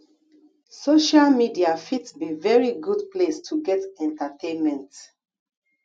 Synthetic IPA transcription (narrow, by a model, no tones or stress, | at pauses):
soʃalmidiafitsbivɛɹiɡudplestʰuɡɛtɛ̃ntatʰẽnmɛ̃nt